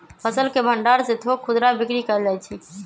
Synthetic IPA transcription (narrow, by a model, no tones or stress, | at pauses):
pʰəsəlkebʱə̃ɳɖaːɾset̪ʰokʰʊd̪ɾabɪkɾikəɾd͡ʒaːjt͡ʃʰiː